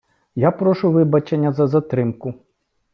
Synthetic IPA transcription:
japɾɔʃʊʋɪbɐt͡ʃenʲːɐzɐzɐt̪ɾɪmkʊ

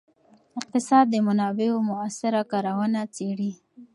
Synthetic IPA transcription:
ɪq̚t̪ɪsɑd̪̚ːəmanɑbeomʊasɪɾakɑɾawanat͡seɽi

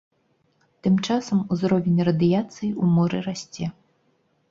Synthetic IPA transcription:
t̪ɨmt͡ʂasɐmuzɾɔvʲɛnʲrɐd̪ɨjat̪sɨjiumɔɾɨ̰rasʲt͡sʲɛ

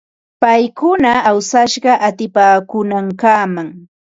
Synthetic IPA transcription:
pajkʊnaːwsaʃɢɑʔat̪ɪpaːkʊnaŋkaːmaŋ

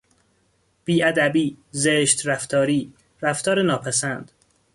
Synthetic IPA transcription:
b̥iːʔæd̪æbiːzeʃt̪ɾæft̪ʰɒːɾiː | ɾæft̪ʰɒːɾenɒːpʰæsænd̪̥

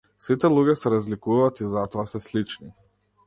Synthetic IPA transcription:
sit̪ɛlˠuɡʲɛsɛɾazlikuvaːt̪izat̪ɔasɛslit͡ʃni

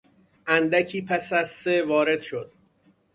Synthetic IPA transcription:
ʔænd̪æcʰiːpʰæsæzsevɒːɾe̞d̪ʃo̞d̪̥

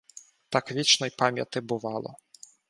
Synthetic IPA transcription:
t̪akvʲit͡ʃnɔjpamʲja̰t̪ɨbʊʋalˠɔ̰

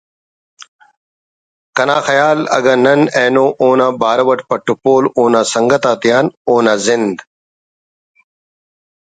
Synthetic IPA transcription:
kɐnaːxɐjaːlɐ̰ɡɐːnɐneːnõːʔoːnãːbaːɾɐwɐʈpɐʈupoːloːnaːsɐŋɡɐt̪aːt̪ijaːnoːnaːzɪnd̪

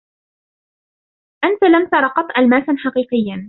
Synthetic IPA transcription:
ʔant̪alamt̪ɑɾˤɑqɑt̪ˤʔalmaːsanħɑqiːqɪjːan

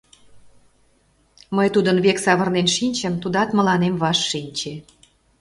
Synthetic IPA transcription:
məjt̪ud̪ənβeksɑβərnenʃinʲt͡ɕəmt̪ud̪ɑt̪mə̆lɑnemβɑʃːinʲt͡ɕe

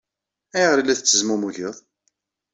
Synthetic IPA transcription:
æjʁɾilːæθət͡sːəzmumuʝəðˤ

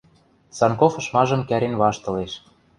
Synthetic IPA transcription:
sɑnkofɤ̆ʃmɑʒɤ̆mkæɾenβɑʃt̪ɤ̆leʃ

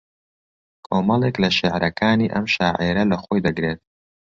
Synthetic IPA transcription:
kʰoːmɐlˠeklɐʃɪʕɾɐkʰaːniːʔɐ̰mʃaːʕeɾɐlɐxojd̪ɐɡɾeːt̪̚

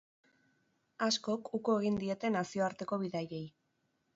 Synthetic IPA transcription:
asko̞kukoe̞ɣ̞ind̪ie̞t̪e̞nasio̞aɾt̪e̞ko̞β̞iðaje̞j

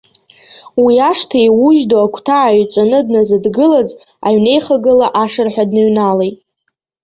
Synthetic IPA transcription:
wiaʂtʰaejwuʒdoakʷʰtʰaːɥt͡sʷʼanɨdnazɨdɡɨlaz | aɥne̞jχaɡɨlaʔaʂɨrħʷᶣadnɨɥnalejtʼ

